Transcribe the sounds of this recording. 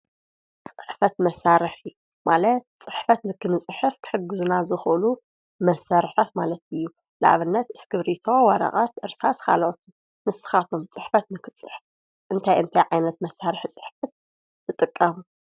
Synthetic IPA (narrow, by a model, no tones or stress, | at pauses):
t͡sʼɨħfɐt̪mɐsːaɾɨħ | malɐt̪̚t͡sʼɨħfɐt̪nɨkʰɨnɨt͡sʼɨħɨfkʰɨ̥ħɨɡɨzunazɨxʔlu | mɐsːaɾɨħt̪ʰat̪malɐt̪ɨjːu | la̰ʕβɨnːɐt̪ɨskʰɨβɾit̪ʰowɐɾɐ̰χʼat̪ʔɨɾsaskʰa̰lot̪ʰum | mɨsɨ̥xat̪ʰomt͡sʼɨħfɐt̪nɨkʰɨt͡sʼɨħf | ʔɨnt̪ʰajɨnt̪ʰajʕajnɐt̪mɐsːaɾɨħt͡sʼɨ̥ħfɐt̪̚ | zɨt̪ʼɨkʼːɐmu